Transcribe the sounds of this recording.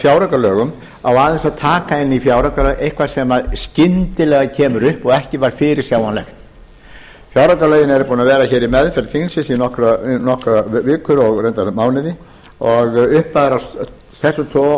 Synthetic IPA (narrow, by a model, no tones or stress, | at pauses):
fjawɾakalœːɣʏm | awaðɛnsaðt̪ʰaːkaɪnːifjawɾakalœejhkʰvaɾ̥sɛmaðscɪnt̪ɪlɛɣacʰɛːmʏɾʏhpɔɣɛhcɪvaɾ̥fɪːɾɪɾ̥sjaːwanlɛxt̪ | fjawɾakalœːjɪnɛɾʏpuːnavɛːɾaçɛːɾimɛðfɛɾt̪fiŋnsɪsinɔhkɾanɔhkɾavɪːkʏɾɔɣrejnt̪amaːwnɪðɪ | ɔɣʏhpaðɛɾa | θɛsʏt̪ʰɔ